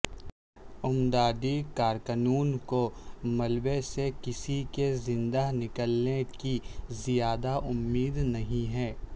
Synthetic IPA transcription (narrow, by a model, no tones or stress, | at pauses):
ʊmd̪aːd̪ikaːɾkənuːnkomɐlbesekɪsikezɪ̃nd̪anɪkəlnekizijaːd̪aʔʊmːiːd̪nɐɦĩɦɛː